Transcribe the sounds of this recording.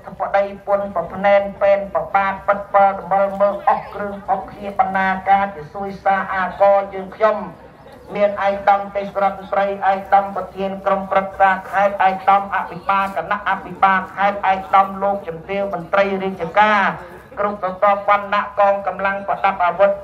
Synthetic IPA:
t̪ʰəpːaɗəjpʊ̆ənpɑpʰnɛːnpeːnprɑɓaːt̪̚pɨt̪̚palɗɑməlməːk̚ʔɔhkrɨəŋhokʰniəɓanːaːkaːt͡ɕisuəjsaːʔaːkɑːjəːŋkʰɲom | miənʔaɛk̚ɗɑmt̪eːhsɾɔt̪̚mnt̪rəjʔaɛk̚ɗɑmprɑt̪ʰiənkromprɨk̪̚saːkʰaɛt̪̚ʔaɛk̚ɗɑmʔaʔpʰiɓaːlkʰaːnaʔːapʰiɓaːlkʰaɛt̪̚ʔaɛk̚ɗɑmloːk̚t͡ɕɑmt̪iəwmɔnt̪rəjriək̚t͡ɕəkaː | krup̚sɔt̪ŏəp̚ʋanːaʔkɔːŋkamlaŋpəɗap̚ʔaʋut̪̚

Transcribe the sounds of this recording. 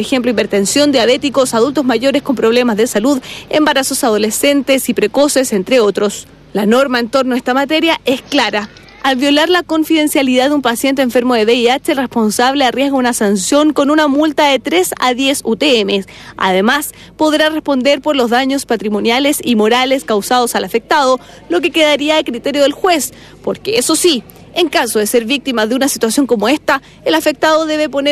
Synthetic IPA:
exemploipe̞ɾt̪ensjo̞nd̪jaβet̪iko̞saðult̪ozmaʝo̞ɾeskompɾo̞βle̞mazðesaluðḛmbaɾaso̞sað̞o̞lese̞nt̪esipɾeko̞se̞sent̪ɾeot̪ɾo̞s | lanoɾmaent̪o̞ɾnoest̪amat̪eɾjaʔesklaɾa | alβjo̞laɾlako̞ɱfiðe̞nsjaliðaðeumpasje̞nt̪eɱfe̞ɾmoðeβeiat͡ʃelrespo̞nsaβlearjeɣaunasansjo̞ŋko̞nunamult̪aðet̪ɾesa̰ðje̞sut̪eemea̰ðemas | po̞ðɾarespo̞nd̪eɾpo̞ɾlo̞zðaɲospat̪ɾimo̞njalesimo̞ɾaleskawsað̞osalafek̚t̪að̞o | lo̞k̬e̞keðaɾiaekɾit̪eɾjoðelxwe̞s | poɾkeeso̞si | eŋkasoðeseɾβik̚t̪imaðeunasit̪wasjo̞ŋko̞moest̪a | elafek̚t̪aðoðeβepo̞ne

